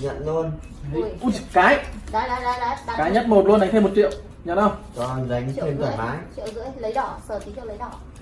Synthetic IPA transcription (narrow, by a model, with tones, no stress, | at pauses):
ɲə̰˧˨nlu˧ən˨˧ | u˦˥˧kaː˨˦jɗɔ˨˦˧kaː˨˦ɲə˦˥t̚mo˨˩t̚lu˧nɗa˨˦ŋ̟t̪ʰa˧mo˨˩t̚t͡ɕḭ˧˨əw | ɲə̰˧˨nʔə˧˩wtɔ˧za˨˦jŋ̟ʰ˧˨e˧nk̪əː˨˩˨faː˨˦jt͡ɕḭ˧˨wɣɨ̰˧˥əjlə˨˦jɗɔ˧˩səː˧˩t̪ʰi˨˦t͡ɕḭ˧˨wlə˨˦jɗɔ˧˩